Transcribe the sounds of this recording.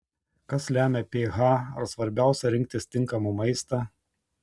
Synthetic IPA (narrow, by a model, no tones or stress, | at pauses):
kɐslʲæːmʲɛpʲeːɣɑːɐ̰ɾsʋɐɾʲbʲæˑʊsʲɛɾʲɪŋʲk̚ʲt̪ʲɪsʲt̪ʲɪŋˑkɐmumɐɪst̪ɑ